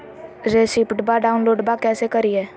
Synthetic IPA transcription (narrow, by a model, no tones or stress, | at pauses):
ɾeːsipʈbaɖaːʊnloːɖbakɛːsekɐɾiɛː